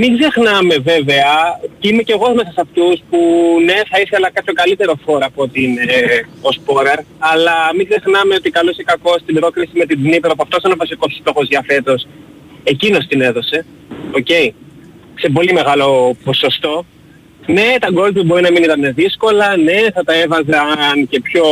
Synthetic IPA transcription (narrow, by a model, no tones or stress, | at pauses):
miɡzexnɐme̞ve̞ve̞ɐcime̞ceɣo̞zme̞sɐsɐft̪uspune̞θɐiθelɐkɐpço̞ɡɐlit̪e̞ɾo̞foɾɐpot̪iineo̞spo̞ɾeɾ | ɐlɐmiɡzexnɐmeo̞t̪ikɐluse̞kɐko̞st̪ibɾo̞kɾisime̞t̪id̪nipeɾɐp̬uɐft̪osɐnovɐsiko̞sst̪o̞xozðʝɐfe̞t̪o̞s | ecino̞st̪ine̞ðo̞se̞ | o̞ce̞i | se̞po̞lime̞ɣɐlo̞po̞so̞st̪o̞ | ne̞t̪ɐɡo̞lt̪pubo̞ɾinɐminit̪ɐne̞ðisko̞lɐne̞θɐt̪ɐe̞vɐzɐnce̞pço̞